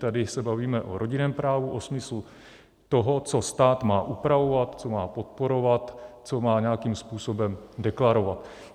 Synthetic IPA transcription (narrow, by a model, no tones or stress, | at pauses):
t̪adɪsɛbaviːmɛʔo̞ɾo̞ɟɪnɛːmpɾaːvuʔosmɪslu | t̪oɦot͡so̞st̪aːt̪maːʔupɾavo̞vat̪t͡so̞maːpo̞t̪̚po̞ɾo̞vat̪t͡so̞maːɲɛakiːmspuːso̞bɛmdɛklaɾo̞vat̪